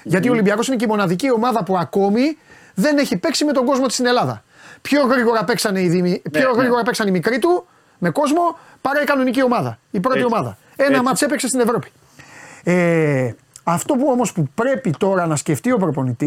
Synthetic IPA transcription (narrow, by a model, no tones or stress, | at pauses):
ʝɐt̪iolimbiɐko̞sineceimo̞nɐðicio̞mɐðɐpuɐko̞mi | ðe̞neçipe̞ksime̞t̪o̞ŋɡo̞zmot̪ist̪ine̞lɐðɐ̰ | pço̞ɣɾiɣo̞ɾɐpe̞ksɐneiðimipço̞ɣɾiɣo̞ɾɐpeksɐnimikɾit̪u | me̞ko̞zmo̞ | pɐɾɐikɐno̞nicio̞mɐðɐ̰ipɾo̞t̪io̞mɐðɐ | e̞nɐmɐt̪sepekse̞st̪ine̞vɾo̞pi̥ | e | ɐft̪o̞puo̞mo̞spupɾe̞pit̪o̞ɾɐnɐsce̞ft̪io̞pɾo̞po̞nit̪i